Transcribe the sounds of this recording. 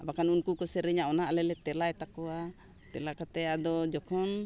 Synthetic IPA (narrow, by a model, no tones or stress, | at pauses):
abakanunkukɔsɛɾɛɲaɔnaʔalɛlɛt̪ɛlaɛt̪akɔwa | t̪ɛlakat̪ɛjad̪ɔd͡ʒɔkʰɔn